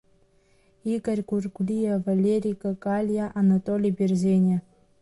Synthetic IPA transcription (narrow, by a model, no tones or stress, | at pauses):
iɡərʲkurkulʲijevalʲeɾʲikəkalʲjaʔanat̪olʲibʲerzʲenʲe